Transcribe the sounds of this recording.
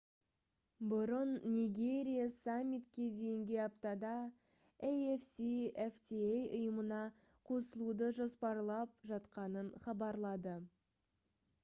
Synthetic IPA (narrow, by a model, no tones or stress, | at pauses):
bʊɾənːʲiɡʲe̞ɾʲijasamʲːit̪kʲe̞d̪e̞jɪŋɡʲɪapt̪ɑd̪ɑ | ejefsieft̪iejʊjəmənɑ | qʰo̞səlˠud̪əʒo̞spɑɾlˠɑp̚ʒɑt̪qɑnənχɑbɑɾlˠɑd̪ə